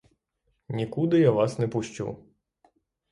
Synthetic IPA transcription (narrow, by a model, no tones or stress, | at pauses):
nʲikud̪ɪjaʋɑsnɛpʊʃʲt͡ʃṵ